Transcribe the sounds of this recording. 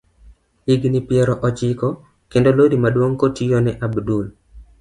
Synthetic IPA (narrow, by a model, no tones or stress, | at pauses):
iɡnipjɛɾɔʔɔt͡ʃɪkɔ | kendolodimadwoŋkotijonɛʔabdul